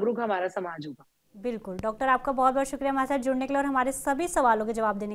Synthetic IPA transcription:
ɡɾʊɡɦɐmaːɾasɐmaːd͡ʒɦoːɡa | bɪlkʊlɖɔːk̚ʈəɾaːp̚kabɔɦɔt̪̚bɔɦːt̪ʃʊkɾijaɦɐmaːɾsaːt̪d͡ʒʊɽnekeleɔːɾɦɐmaːɾesɐbʱisɐʋaːlõked͡ʒɐʋaːbd̪eːne

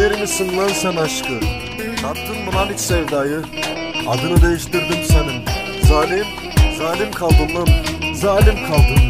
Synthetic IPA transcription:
eɾinisɯŋlˠansɛnaʃkɯ | nap̚t̪ʰːɯnmunalʲicsevd̪aːjɯ | ad̪ɯɾɯd̪ejiʃt̪ʰiɾd̪imsenim | zaːlʲim | zaːlʲimkʰalˠd̪ɯmlˠɯnzaːlʲimkʰalˠd̪ɯm

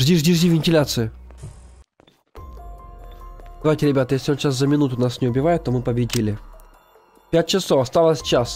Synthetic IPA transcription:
ʐd̪ʲiʐd̪ʲiʐd̪ʲivʲɪnʲtʲɪlʲat̪sɨɪ | d̪ɐvajtʲɪɾʲɪbʲat̪əjesʲlʲɪo̞nɕaszəmʲɪnut̪ʊnasnʲɪʊbʲɪvajɪt̪ːo̞mɨpəbʲɪdʲilʲɪ | pʲæt̚ʲt͡ɕɪsofɐst̪alˠəsʲt͡ɕas

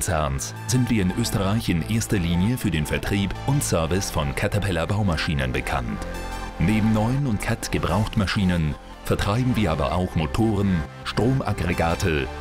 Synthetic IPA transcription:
t͡sɛɐns | z̥ɪntv̥iːɐɪnʔøːstəʁaɪçɪnʔeːɐstɐliːnjəfyːɐdeːnfɛɐtʁ̥iːpʊntsœɐvɪsfɔnkʰatʰapʰɛlɐbaʊmaʃiːnənbəkʰa̰ntneːbm̩nɔʏənʊntkʰatɡ̥əbʁaʊxtmaʃiːnən | fɛɐtʁ̥aɪbm̩viːɐʔaːbɐ̰ʔa̰ʊxmotʰoːʁən | ʃtʁ̥oːmʔa̰ɡʁeɡaːtʰə

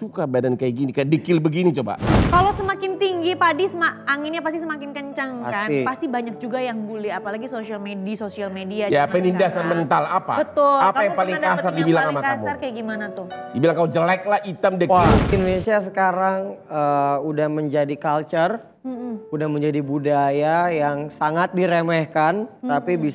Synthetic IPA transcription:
sukabadankajaɡinikajadikɪlbəɡinit͡ʃoba̰kalosəmakɪnt̪iŋɡipadisəmaaŋɪnɲapast̪isəmakɪnkəɲt͡ʃaŋpa̰ksatnipast̪ibaɲak̚d͡ʒuɡajaŋbulɛhapalaɡisosialmedisosialmediajaːpainidasanmənt̪alapa̰bət̪ʊlapkajaŋpalɪŋkasardibilaŋamakamarkajaɡimanat̪ʊhdibilaŋkaud͡ʒəlak̚lahit̪amdɛwaindonesias̬əkaɾaŋəudahməɲd͡ʒadikalt͡ʃər | udahməɲd͡ʒadibudajajaŋsaŋat̪̚diɾemɛhkant̪apibis

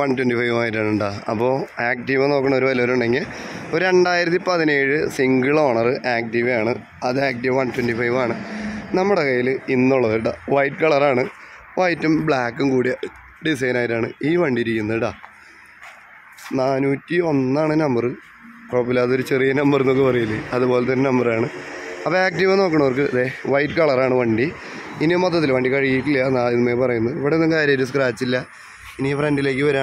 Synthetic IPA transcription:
ʋɐntwentifɐjʋaːjiʈ̬ːɨnːuɳɖaɐpːo̞ːaːk̚ʈiʋɐno̞ːkːɨɳːo̞ɾuʋɐlioɾuɳɖe̞ŋɡil | oɾɾe̞ɳɖaːjiɾɐt̪̬ːipɐðine̞ːɻɨsiŋɡɨɭo̞ːɳɐrɨʔaːk̚tiʋaːɳɨ | ɐðɨaːk̚tiʋʋɐntwendifɐjʋaːɳɨnɐmːuɽekɐjilɨinːuɭːɐðɨɽɐʋɐjʈkɐɭɐraːɳɨ | ʋɐjtːumbɭaːkːumkuːɽi | ɖis̬ɐjnaːjitːaːɳɨiːʋɐɳɖiɾikʲːunːɐðɨʈa | naːnuːtːio̞nːaːɳɨnɐmbɐrɨ | koɭɐpːilaːðo̞ɾut͡ɕe̞rijɐnɐmbɐrnːokːɨpɐrɐjilːɐɐðupo̞ːlet̪ɐnːenɐmbɐraːɳɨɐpːɐaːk̚tiʋɐno̞ːkːɨɳɐʋɐrkɨɐðeʋɐjʈkɐɭɐraːɳɨʋɐɳɖi | inimot̪ːɐt̪ːilʋɐɳɖikɐɻijiʈːiljanaːinumeːpɐrɐjunːɐðpːɐɽenːɐŋkaːɾjɐɐɾuskraːit͡ɕːilːɐ | inifrɐndile̞ːk̬ːɨʋɐɾaː

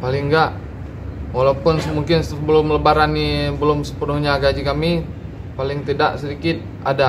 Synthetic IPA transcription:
palɪŋɡaʔ | walawpʊnsəmuŋkɪnsbəlʊmləbaɾanːibəlʊmsə̥pənʊhɲaɡad͡ʒikami | palɪŋt̪idaʔsədikɪt̪̚ | ada

